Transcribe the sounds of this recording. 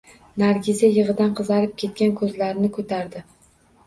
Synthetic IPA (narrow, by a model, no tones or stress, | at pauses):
naɾɡʲɪzajɨʁɨd̪anqʰɨzɑɾɪp̚kʲʰe̞t̪̚kʲankʰɵzlaɾnɪkʰɵt̪ʰaɾd̪ɪ